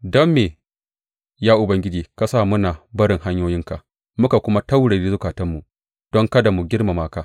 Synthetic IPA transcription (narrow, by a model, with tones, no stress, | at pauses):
dɔ˦mːeː˨ | jaː˦ʔʊ˨bɐ˦ŋɡʲɪ˦d͡ʒiː˨ka˨saː˦˨mʊ˦naː˨bɐ˦ɽɪ˨ŋɦa˦ɲjoː˦jɪ˦ŋka˨ | mʊ˦ka˨kʷʊ˦ma˦ta˦wɽeː˨e˦zʊ˦kaː˨tɐ˦mːu˨ | d̥ɔ˦ŋkɐ˦da˨mu˨ɡʲɪ˦rma˨maː˦kaː˦